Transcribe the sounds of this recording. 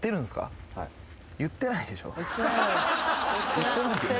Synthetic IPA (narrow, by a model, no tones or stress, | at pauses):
e̞ɾɯ̟̃nsɨ̥ka̰ | jɯ̟t̪ːe̞naid̪e̞ɕo̞̰ː | jɯt̪ːenãk